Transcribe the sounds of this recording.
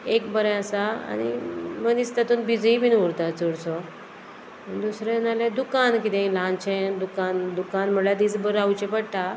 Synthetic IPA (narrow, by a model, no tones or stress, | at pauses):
ekbəɾjasaa̰ɽ̃ḭmənist̪at̪uːnbid͡zibʱinuɾt̪at͡suɽsɔ | ənd̪usɾẽnalẽd̪ukankit̪ẽlãnt͡ɕẽd̪ukand̪ukanm̤əɽlad̪iːd͡zbəɾawt͡ɕẽpəɽt̪a